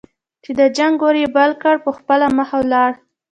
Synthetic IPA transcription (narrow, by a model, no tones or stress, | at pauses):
t͡ʃed̪əd͡ʒaŋɡoɾebalkəɽpəxpəlaməxawlɑɽ